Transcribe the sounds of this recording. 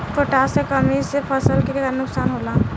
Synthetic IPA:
koʈasekəmisepʰəsəlkekənʊksaːnɦoːla

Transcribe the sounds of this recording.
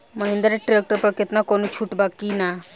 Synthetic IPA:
məɦĩnd̪əɾeʈɾek̚ʈəɾpəɾkɪt̪nakonut͡ʃʰuʈbakːina

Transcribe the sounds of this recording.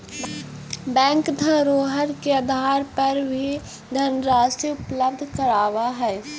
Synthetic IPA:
bɛ̃ːŋkd̪ʱəɾoːɦəɾkeəd̪ʱaːɾpɐɾbʱi | d̪ʱəɾnɾaːseʊpləbd̪ʱkəɾaːʋaɦɛː

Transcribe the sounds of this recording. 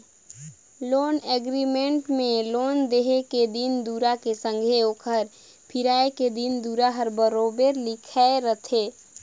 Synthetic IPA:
loːneɡɾimẽʈmẽloːnd̪eːɦeked̪ind̪uːɾakesə̃ŋɡʱeoːkʰəɾ | pʰɪɾaːeked̪ind̪uɾaɦəɾbəɾoːbeɾlɪkʰaeɾət̪ʰeː

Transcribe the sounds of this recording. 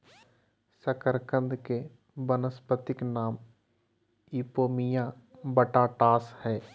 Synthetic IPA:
səkəɾkə̃nd̪ke | bənəspət̪ɪknaːm | iːpoːmijãbəʈaʈaːshɛː

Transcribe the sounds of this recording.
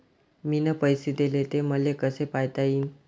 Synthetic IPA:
minəpəjsid̪elet̪eməlekəsepajt̪aiːn

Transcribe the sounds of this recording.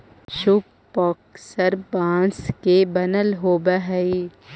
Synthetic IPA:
ʃʊb | pɔːksəɾbãːnskebɐnəlɦoːbəɦəi

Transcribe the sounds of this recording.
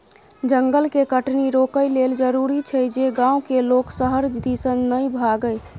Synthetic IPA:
d͡ʒəŋɡəlkekəʈniɾokəjleld͡ʒəɾuɾit͡ʃʰəd͡ʒeɡãukeloksəɦəɾd͡ʒd̪isənːəjbʱaɡəj

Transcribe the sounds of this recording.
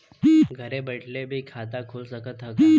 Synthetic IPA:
ɡʱəɾẽbəʈʰlebʱikʰaːt̪akʰʊːlsəkət̪ɦək

